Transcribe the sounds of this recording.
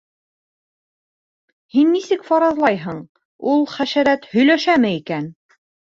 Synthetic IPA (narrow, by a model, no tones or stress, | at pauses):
hinːisɘkfɑɾɑzlˠɑjɦɤɴ | ulˠχæʃæɾæt̪hɵ̆jlæʃæmɘikæn